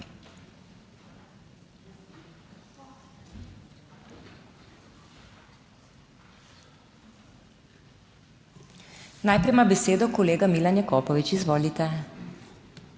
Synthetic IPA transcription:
naːjpɾɛjmabɛseːd̪ɔkɔleːɡamilanjɛkɔːpɔʋit͡ʃizʋoːlit̪ɛ

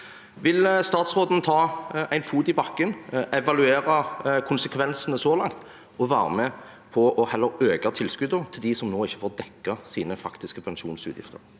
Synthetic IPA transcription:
ʋɪlst̪ɑːt̪sʁoːd̪n̩t̪ʰɑːæɪnfuːd̪ɪbɑkːənʔɛʋɑlʉeːɾɑkʰʊnsəkʰʋɛnsənəsɔlɑŋt̪ | ɔʋæːɾə̰mɛ | pʰɔʔɔhɛlːəɾøːkɑt̪ʰɪlskʉd̪ət̪ʰɪld̪ɪsɔmnoːɪçːəfoːʁd̪ɛkːɑsiːnəfɑkt̪ɪskəpʰɛnʃuːnsʉ̰ːt̪jɪ̰ft̪ə̰ʁ

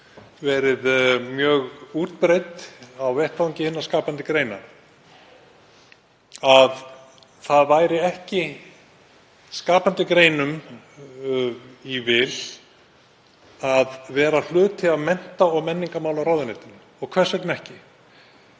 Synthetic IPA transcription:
vɛːɾɪðmjœːɣuːt̪pɾejt̪awvɛht̪awɲcɪhɪnːaskaːpant̪ɪkɾeːjna̰ | að | θaðvaːjɾɪɛhcɪ | skaːpant̪ɪkɾeːjnʏm | ivɪl | aðvɛːɾal̥ʏːt̪ʰɪaðmɛn̥t̪aɔɣmɛnːiŋkamaːwlawɾaːwðɪneːt̪ɪn | ɔɣkʰvɛr̥svɛk̪t̪nɛhcɪ

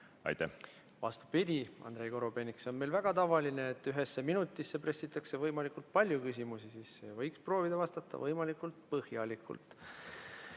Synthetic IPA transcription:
ɑ̰jt̪æ | vɑ̰st̪u̥pid̪̥ʲiɑ̰nd̪̥ɾe̞jko̞ɾobe̞nikso̞nmelvæɡ̥ɑt̪ɑvɑline̞ːt̪ːˑyɦe̞sːe̞minut̪ːˑisːe̞pre̞sːit̪ːˑɑkse̞vɤjmɑlikult̪̚pɑlʲjukys̬ʲimusisisːejɑvɤjkspro̞ːvid̪̥ɑvɑst̪ɑt̪ːˑɑ̰vɤjmɑlikːˑult̪̚pɤhjɑlikʰṵlt̪

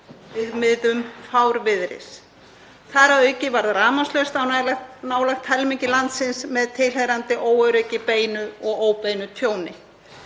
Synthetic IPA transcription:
vɪðmɪðʏmfawɾvɪðɾɪ̰s | θaɾaœːɥcɪvaɾðɾaːmast̪lœɥst̪awnlnaːwlaxt̪ʰɛlmiɲcɪlant̪sɪnsmɛðt̪ʰɪlɦɛɣɾant̪ɪʔoːwœɾœɥcɪpeːjnʏɔɣoːwpejnʏt̪ʰjoːwnɪ

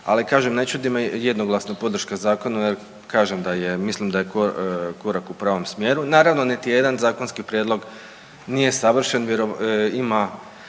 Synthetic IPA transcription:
a̰likaːʒemnet͡ɕud̪imajed̪noɡlˠasnapo̞d̪r̩ʃkazaːko̞najeɾ | kaːʒemd̪ajemislimd̪ajekokoɾakupɾaːʋo̞msmje̞ːɾunaːɾaʋno̞nit̪ijed̪anzaːko̞nskipɾjed̪lˠo̞ɡ | nije̞saʋr̩ʃenʋjeɾoima

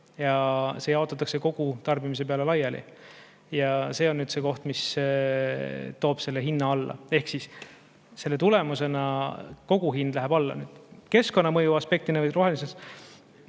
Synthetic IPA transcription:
jɑse̞jɑˑot̪ːˑɑt̪ːˑɑkse̞ko̞ɡ̥ut̪ɑrb̥imis̬e̞p̬e̞ɑle̞lɑjɑlḭ | jɑse̞ːonːyːd̪̥se̞ːko̞ht̪mis | t̪o̞ːb̥se̞lːeɦinːɑɑlːɑ̰e̞hksis | se̞lːe̞t̪ule̞muse̞nɑko̞ɡ̥uɦind̪̥læɦeb̥ɑlːɑ̰nyːd̪̥ke̞sko̞nːɑmɤjuɑspe̞k̚t̪inevɤjɾo̞ɦelises

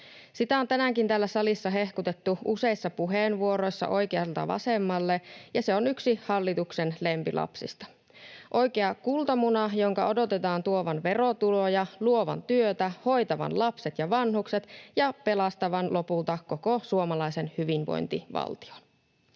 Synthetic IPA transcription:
sit̪æont̪ænæŋkint̪æːlːæsɑlisːɑɦe̞hkut̪et̪ːuʔuse̞isːɑpuɦeːnʋuoɾo̞jsːɑ̰ʔo̞jkeɑlt̪ɑ̰ʋɑ̰semːɑlːejɑseo̞nyksihɑlːit̪uksenlempilʔɑ̰psḭst̪ɑ̥ | ʔo̞jkeɑkult̪ɑmunɑjoŋkɑo̞do̞t̪et̪ɑːnt̪uoʋɑnʋerot̪ulojɑluo̞ʋɑ̰nt̪yøt̪æho̞jt̪ɑʋɑ̰nlɑpset̪jɑʋɑnhukset̪jɑpe̞lɑst̪ɑʋɑnlʔo̞pult̪ɑko̞kosuomɑlɑisenhyʋinʋo̰jnt̪ḭʋɑ̰lt̪i̥o̥n

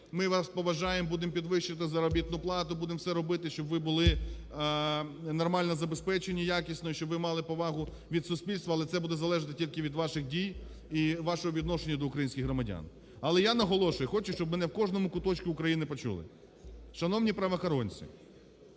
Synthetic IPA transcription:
mɪʋɑspɔʋɐʒɑjembud̪ɪmpʲid̪ʋɪʃːɪt̪ɪzɐɾɔbʲit̪nʊplˠɑt̪ʊbud̪eɪmsɛɾɔbɪt̪ɪʃt͡ʃɔbʋɪbʊlˠɪ | nɔrmɑlʲnɔzɐbespɛt͡ʃenʲijakʲisʲnɔjiʃt͡ʃɔbʋɪmɑlˠɪpɔʋɑɦʊ | ʋʲid̪sʊsʲpʲilʲst̪ʋɐːlˠɛt̪sɛbud̪ɛzɐlˠɛʒɪt̪ɪtʲilʲkɪʋʲid̪ʋɑʃɪxdʲij | iʋɑʃɔɦɔʋʲid̪nɔʃenʲːɐd̪ɔukɾɐjinʲsʲkʲɪɣɦɾɔmɐdʲa̰n | ɐlˠɛjanɐɦɔlˠɔʃʊjɛxɔt͡ʃʊʃt͡ʃɔb̚mɛnɛwkɔʒnɔmʊkʊt̪ɔt͡ʃʲkɪʊkɾɐjinɪpɔt͡ʃṵlˠɪ̰ | ʃɐnɔwnʲipɾɐʋɐxɐɾɔnʲt͡sʲḭ

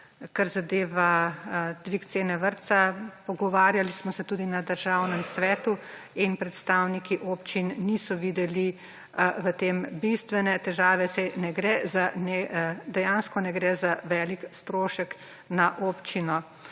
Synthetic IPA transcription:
kaɾzad̪eːʋa | d̪̥ʋikt̪seːnɛʋəɾt̪sapɔɡɔʋaːɾjalismɔsɛt̪uːd̪inad̪əɾʒaːwnɛmsʋɛːt̪uinpɾɛt̪st̪aːwnikiʔoːpt͡ʃinːisɔʋiːd̪ɛli | ʋət̪eːmbist̪ʋɛnɛt̪ɛʒaːʋɛsɛjnɛɡɾɛzanɛd̪ɛjanskɔnɛɡɾɛzaʋɛːlikst̪ɾoːʃək | naʔoːpt͡ʃinɔ

